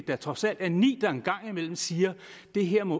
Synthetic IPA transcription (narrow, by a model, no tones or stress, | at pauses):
d̥ɑ̈t͡sʰʁɒ̽sæl̰d̥æɐnḭːd̥ɑ̈e̝nɡ̥ɑ̈ŋ̰imel̰m̩siːɐd̥e̝ɦeɐ̰mɔ̽